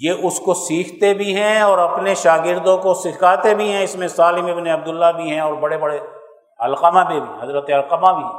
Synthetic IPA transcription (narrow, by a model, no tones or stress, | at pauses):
jeʔʊskosiːkʰt̪ebʱiɦɛ̃ɔːɾɐpneʃaːɡɪɾd̪õkosɪkʰaːt̪ebʱiɦɛ̃ɪsmẽsaːlɪmɪbneɐb̚d̪ʊlːabʱiɦɛ̃ɔːɾbɐɽebɐɽe | ɐlqəmabʱibʱiɦɐzɾət̪eɐlqəmabʱi